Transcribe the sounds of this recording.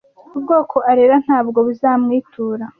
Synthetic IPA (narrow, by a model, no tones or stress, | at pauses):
ubɡo̞ːkʰo̞ʔaɾeɾan̥haːb̚ɡo̞βuzaːmŋiːtʰuːɾa